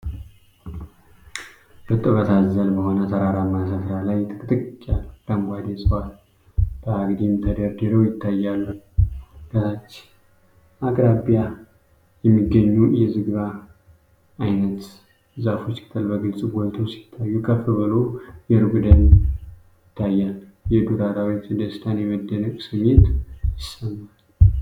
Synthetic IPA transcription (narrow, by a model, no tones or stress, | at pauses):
bɨt̪ʼːɨβət̪ʰazəlbəho̞nət̪ʰəɾaɾamːasət̪ɾalajt̪ʰɨkʼɨt̪ʼɨkkʼːalləmɡʷad̪ɛsʼwal | b̥əaɡd̪imt̪ʰəd̪əɾd̪əɾəwjɪt̪ʰːajːalːə | ɡət̪at͡ʃː | akʼɾabija | jɛmːiɡːəɲːujɛzɨɡβa | jnət̪ | zafo̞t͡ʃːkʰɨ̥t̪ʰɨlbəɡɨlsʼwɔlt̪ʰosi̥t̪ʰːajːukʰəfɨβɨlojɛɾɨɡd̪ən | jɪt̪ʰːajːalː | jɛd̪uɾaɾawit̪d̪əst̪ʰanjɛməd̪ːənəkʼsɨɲːɪt̪jɪsəmːal